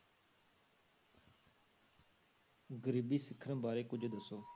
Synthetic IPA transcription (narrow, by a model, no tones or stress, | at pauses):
ɡəɾiːbiːsɪkʰːəñbaːɾeːkʊd͡ʒʱd̪əsoː